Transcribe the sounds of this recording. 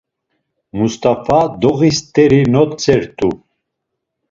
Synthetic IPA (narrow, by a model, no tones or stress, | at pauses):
must̪ʼafad̪ɔɣist̪ʼɛɾinɔt̪t͡sʰʼɛɾt̪ʼu